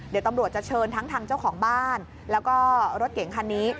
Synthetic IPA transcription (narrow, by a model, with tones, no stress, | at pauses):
d̪i˩˦wt̪a˧mɾu˨˩ət̪̚t͡ɕa˨˩t͡ɕʰɤː˧nt̪ʰa˦˥ŋt̪ʰaː˧ŋt͡ɕa˥˩wkʰɔː˩˦ŋbaː˥˩n | lɛː˦˥wkɔː˥˩ɾo˦˥t̪̚ke˨˩˦ŋkʰa˧nːiː˦˥